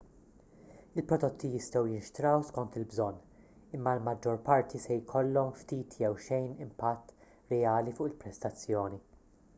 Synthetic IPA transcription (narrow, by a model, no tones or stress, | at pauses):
ɪlpɾɔd̪ɔt̪ʰːijɪst̪ɛwjɪnʃt̪ɾɐwskɔnt̪ɪlbzɔnː | ɪmːɐlmɐd͡ʒːɔɾpɐɾt̪ʰisɛjkʰɔlːɔmft̪iːt̪ʰjɛwʃɛjnɪmpɐt̪ː | ɾɛɐːlifʊʔɪlpɾɛst̪ɐt͡sːjɔːni